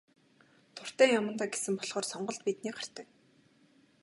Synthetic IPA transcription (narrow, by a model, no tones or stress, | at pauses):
t̪ʰʊr̥t̪æːjamə̆nt̪aːɡesɘ̆mpɔɮχɔːrsɔɴɢɞ̆ɮt̪pit̪niːk̚ɢar̥t̪æː